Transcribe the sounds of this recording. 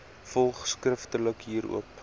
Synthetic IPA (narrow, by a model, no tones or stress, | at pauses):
fɔlˠχskrəftələkɦiːɾṵəp